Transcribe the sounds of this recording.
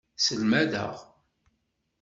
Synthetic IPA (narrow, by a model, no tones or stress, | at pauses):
səlmæðə̰ʁ